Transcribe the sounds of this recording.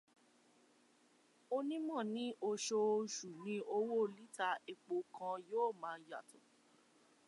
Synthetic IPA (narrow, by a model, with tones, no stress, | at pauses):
o˧nĩ˦mɔ̃˦˨nĩ˨˦ʔo˧ʃo˧ʃu˨nĩ˧o˧wo˦˨li˦ta˧e˧k͡po˧kʰã˧joː˦˨mãː˨˦ja̰˨tʰõ˨